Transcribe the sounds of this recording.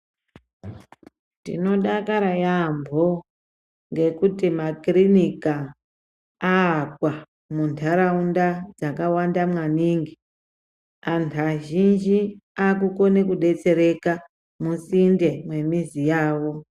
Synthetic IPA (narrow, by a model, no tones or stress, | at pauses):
tḭno̞ɗakaɾajambʱo | ŋɡe̞kutimakrinikaː | kwa | muntʰaɾaundad͡zakawandamwaniːŋɡi | antʰaʒind͡ʒiakuko̞nekuɗe̞t͡se̞ɾe̞ka | musinde̞mwe̞mizijaːwo̞